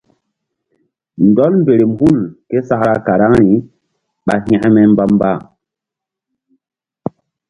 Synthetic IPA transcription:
ndɔ˦lmbe˨ɾe˨mhu˦lke˦sa˦kɾa˦ka˨ɾa˦ŋɾi˨ | ɓa˨hĩ˦mɛ˦mba˦mba˦˨

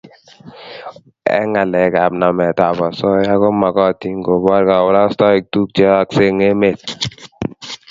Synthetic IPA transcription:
ɛ̰˦ŋa˨lɛ˨˦ka˨pna˨mɛ˨ta˨bɔ˨sɔ˦ja˦kɔ˦ma˨kɔ˦˨ti˦ŋɡo˨bɔ˦ɾka˨wʊ˦ɾa˦stɔ˦i˨k̚tu˦k̚t͡ʃɔ˦a˨kse˦ŋe˦me˨t̚

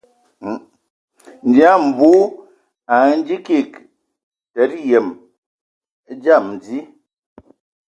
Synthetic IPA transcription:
n̩˨d͡ʒi˨˦a˦˨m̩˨bu˦ | a˨˦n̩˦d͡ʒi˦ki˦˨k | tɛ˨˦tjɛ˨m˦ | d͡ʒa˦˨m˨d͡zi˦

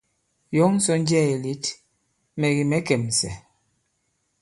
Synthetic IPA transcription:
jɔ˨˦ŋ̩˦sɔ˦n˦d͡ʒɛ˦˨e˨li˦t | mɛ˨ɣi˨mɛ˨˦kɛ˨m˨sɛ̰˨

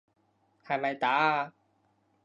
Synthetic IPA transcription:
hɐ˨jmɐ˨jt̪aː˨˥˧

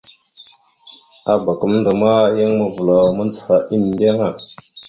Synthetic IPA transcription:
a˨ba˨kə˦m˦n˦də˨ma˦ja˦ŋmə˨vu˨la˨mə˦nt͡sə̥˨fa˨ʔi˦n˨de˦ŋa˦˨

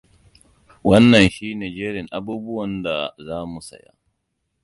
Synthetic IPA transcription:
wɐ˦nːɐ˨nʃiː˦neː˨d͡ʒeː˦ɾɪ˨ŋʔa˦buː˦bʊ˦wɐ˨nda˨zaː˦mu˨sɐ̰˨ja̰˦

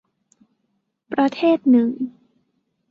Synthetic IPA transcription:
pɾa˧t̪ʰeː˥˩t̪̚nɯ˨˩ŋ

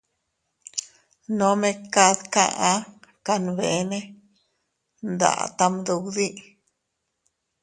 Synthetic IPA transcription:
no˦me˦ka˧ðka̰˦˧ʔa˦ka˧nbe˨ne˦ | nd̪a̰˨t̪a˧md̪u˧wd̪i˦ʔ

